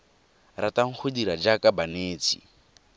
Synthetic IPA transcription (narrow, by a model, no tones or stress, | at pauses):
rataŋ̩χʰʊdiɾad͡ʒakʼabaneːt͡sʰʼḭ